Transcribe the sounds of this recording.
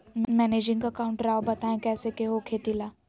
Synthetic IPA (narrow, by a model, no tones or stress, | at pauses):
mmɛːneːd͡ʒɪ̃ŋɡɐkaːʊ̃ɳʈɾaːobɐt̪aẽkɛːsekeɦokʰeːt̪ilaː